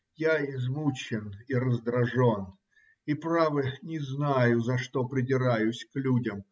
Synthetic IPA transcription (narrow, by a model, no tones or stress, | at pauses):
jaɪzmut͡ɕɪniɾəzd̪ɾɐʐo̞n | ipɾavɨnʲɪznajʊzɐʂt̪o̞pɾʲɪdʲɪɾajʊsʲklʲudʲəm